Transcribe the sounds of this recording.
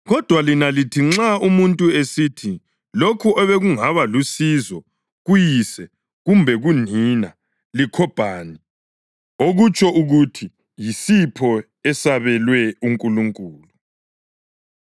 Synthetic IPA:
ɣɔd̥ʱwalinalitʰiŋ͡ǁaumuntʼuesitʰi | lokʰuʔɔβɛɣuŋaβalusizɔ | ɣujisɛ | ɣumbʱɛɣunina | likʰɔb̥ʱaːni | oɣut͡ʃʰʼɔʔuɣutʰi | jisipʰɔ | ɛsaβɛlwɛuŋkʼuluŋkʼuːlu

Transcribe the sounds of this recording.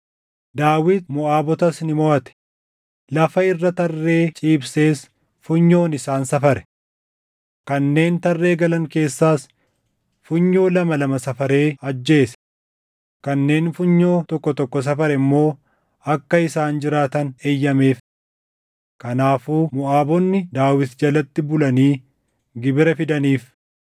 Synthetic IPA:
d̪aːwɪt̪mʊaːbɔt̪ɐsnɪmɔʔɐt̪ɛ̥ | lɐfɐɪrːɐt̪ɐrːe̞ːt͡ʃʼiːbse̞ːs | fʊɲːo̞ːnɪsaːnsɐfɐɾɛ̥ | kɐnːe̞ːnt̪ɐrːe̞ːɡɐlɐŋke̞ːsːaːs | fʊɲːo̞ːlɐmɐlɐmɐsɐfɐɾe̞ːɐd͡ʒːe̞ːsɛ̥ | kɐnːe̞ːnfʊɲːo̞ːt̪ɔkːɔt̪ɔkːɔs̬ɐfɐɾɛɪmːo̞ː | ɐkːɐɪsaːnd͡ʒɪɾaːt̪ɐneːjːɐme̞ːf | kɐnaːfuːmʊaːbɔnːɪd̪aːwɪt̪d͡ʒɐlɐt̪ːɪbʊlɐniː | ɡɪbɪɾɐfɪd̪ɐniːf

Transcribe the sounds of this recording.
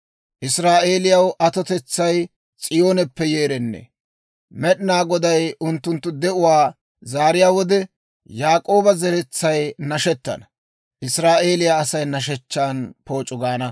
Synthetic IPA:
ʔɪsɾaːʔe̞ːlɪjɐwʔɐt̪ɔt̪ɛt͡sːɐj | t͡sʼɪjo̞ːnɛpːɛjeːɾɛnːɛ̰ | mɛɗɪnaːɡɔd̪ɐjʊnt̪ːʊnt̪ːʊd̪ɛʔʊwaː | zaːɾɪjaːwɔd̪ɛ | jaːkʼo̞ːbɐzɛɾɛt͡sːɐjnɐʃɛt̪ːɐ̰nɐ | ʔɪsɾaːʔe̞ːlɪjaːsɐjnɐʃ̬ɛt͡ʃːaːnpo̞ːt͡ʃʼːʊɡaːnɐ

